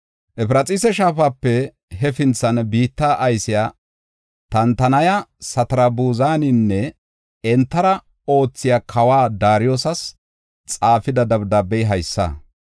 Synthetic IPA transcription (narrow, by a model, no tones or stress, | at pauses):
ʔɛpɪɾɐt͡sʼɪsɛʃaːfaːpːɛ | ɦɛfɪnt͡sːɐnbiːt̪ːaːʔɐjsɪjaː | t̪ɐnt̪ɐnɐjɐsɐt̪ɐɾɐbuːzaːnɪnːɛ | ɛnt̪ːɐɾɐ | o̞ːt͡sːɪjakʰɐwaːd̪aːɾɪjoːsɐs | t͡sʼaːfɪd̪ɐd̪ɐbd̪ɐbɛjɦɐjsːɐ̰